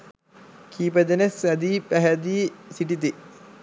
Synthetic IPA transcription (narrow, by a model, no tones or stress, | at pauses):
kʰiːpəd̪enesæd̪iːpæɦæd̪iːsiʈit̪̬i